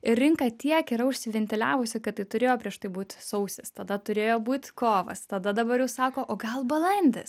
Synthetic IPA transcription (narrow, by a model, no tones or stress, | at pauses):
ɪrʲrʲɪŋkɑt̪ʲiɛkiɾɐʊʃʲsʲɪʋʲɛnʲt̪ʲɪlʲæːʋʊsʲɪkɐtt̪ɐɪt̪ʊɾʲeːjoːpʲɾʲiɛʃt̪ɐɪbuːt̪ʲsɐʊsʲɪst̪ɐd̪ɐt̪ʊɾʲeːjoːbuːt̪ʲkoːʋɐ̰st̪ɐd̪ɐd̪ɐbɐɾjɛʊsɑːkoːʔoːɡɐlˠbɐlˠɐnʲd̪ʲɛs